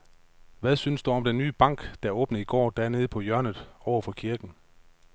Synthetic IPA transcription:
ʋæðˠsynsd̥uɒ̽md̥enːyːb̥ɑ̈ŋ̰ɡ̥d̥æɔ̽ːb̥nəiɡ̥ɒ̰ːd̥æɐne̝ːð̞̩ˠpʰɒ̽jɶɐnð̩ˠɒʊɐfɒ̽kʰiɐɡ̥n̩

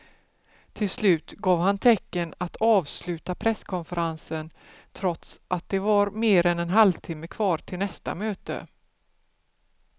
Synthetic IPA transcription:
t̪ʰɪlslʉ̟ːt̪ɡɑːvhant̪ʰɛkːənat̪ʰɑːvslʉ̟ːt̪apʰɾɛskʰɔnfəɾansən | t̪ʰɾɔt̪sʔat̪̚d̪ɛvaɾmeːɾɛnɛnɦalvt̪ʰɪmːəkʰvɑːʈʰɪlnɛst̪a̰møːt̪ə̰

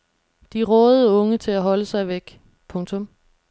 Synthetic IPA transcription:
d̥iʁɔːð̩ˠəɔ̽ŋət͡sʰe̝læɦɒ̽ləsɑ̈ɪʋeɡ̥ | pʰɔ̽ŋt͡sʰɔ̽m

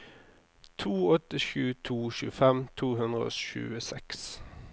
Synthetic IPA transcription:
t̪ʰuːɔt̪əʃʉːt̪ʰuːʃʉːfɛmt̪ʰuːhʉnʁəo̰ːʃʉ̰ːəsɛks

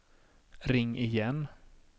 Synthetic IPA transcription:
ɾɪŋːɪjɛn

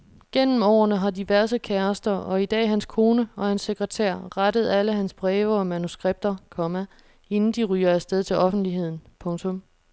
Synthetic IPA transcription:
ɡ̥en̰m̩ɒ̰ːɐnəɦɑ̈diʋæɐsəkʰæɐsd̥ɐʔɒ̽id̥ɛ̰ːɦænskʰo̝ːnəɒ̽hænsːeɡ̥ʁɛt͡sʰæ̰ɐ̰ʁad̥əð̞̩ˠæləɦænsb̥ʁɛːʋɐɒ̽mænusɡ̥ʁeb̥̚d̥ɐkʰɒ̽mæ | e̝nn̩d̥iʁy̰ːɐæ̥sd̥eð̞ˠt͡sʰe̝lʔɒ̽fn̩d̥liɦe̝ð̰ˠn̩pʰɔ̽ŋt͡sʰɔ̽m

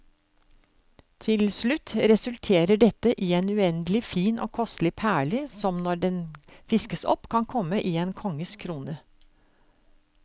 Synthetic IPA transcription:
t̪ʰɪlslʉt̪ːɾɛsʉlt̪ʰeːɾəɖɛt̪ːəʔiːenʉɛnd̪əlɪfiːno̰ːkʰɔst̪lɪpʰæːɭɪsɔmnɔɖɛnfɪskəsɔ̰pːkʰɑnkʰɔmːəʔiːeːnkʰɔŋːəskʰɾuːnə

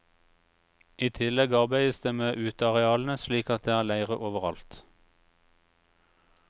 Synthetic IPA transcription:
iːt̪ʰɪlɛɡɑːʁbæɪəsd̪eːmeːʔʉːt̪ɑʁɛɑːln̩əsliːkɑt̪̚d̪eːæːʁlæɪʁəʔoːʋəʁɑ̰lt̪

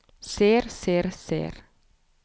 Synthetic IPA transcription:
seːɾseːɾsḛːɾ

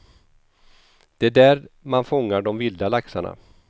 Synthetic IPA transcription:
d̪̥ɛæɖæːɾmanfɔŋːaɖɔmvɪld̪alaksaɳa̰

